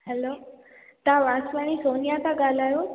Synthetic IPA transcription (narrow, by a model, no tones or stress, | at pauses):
hɛloː | t̪ãʋaːsʋaɽ̃isoːnijat̪ãɡaːl̤aːjo